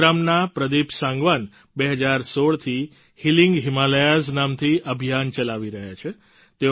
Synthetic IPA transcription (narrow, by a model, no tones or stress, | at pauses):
ɾamnapɾəd̪ipsãŋɡʋən | beɦəd͡ʒaɾsoɭt̪ʰi | hilĩŋɡɦimaləjaznamt̪ʰiʔəbʱijant͡ʃəlaʋiɾəɦjat͡ʃʰe | t̪e